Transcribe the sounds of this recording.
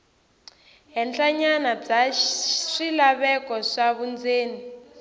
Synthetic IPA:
ɦɛnt͡ɬʼaɲanab͡ʐa | ʂilaβɛkɔʂaβund͡zeːni

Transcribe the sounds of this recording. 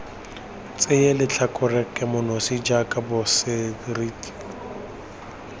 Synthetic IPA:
t͡sʼɪjelɪt͡ɬʰakʼʊrɛkʼɛmʊnosid͡ʒakʼabʊsɪriːtʰʼi̥

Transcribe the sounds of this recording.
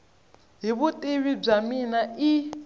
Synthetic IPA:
ɦiβutʼeɺib͡ʐaminai

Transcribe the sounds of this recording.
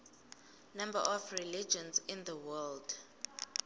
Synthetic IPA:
nãmba̰ʔɔfrilid͡ʒɔ̃nzĩnd̪əwɛld

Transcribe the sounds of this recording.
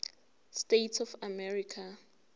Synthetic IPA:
stetʰɔfamɛɹikʰa

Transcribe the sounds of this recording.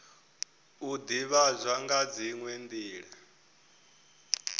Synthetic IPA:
ud̪iβazʷaŋɡad͡ziŋwend̪iːɺa

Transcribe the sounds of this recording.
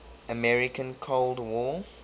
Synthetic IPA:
əmɛɹɪkə̃nkʰoʊldwɔ

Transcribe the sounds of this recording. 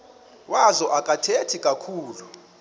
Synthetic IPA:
wazɔʔakʼatʰetʰikʼakʰuːlu

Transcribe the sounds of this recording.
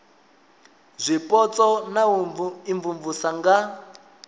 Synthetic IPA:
zʷipʼɔt͡sɔnaiɱvuɱvusaŋɡa

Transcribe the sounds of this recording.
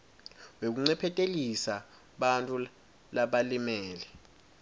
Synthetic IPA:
wek̬uŋ͡ǀɛpʰɛtʼelisa | ɓantʼu | laɓalimɛːlɛ

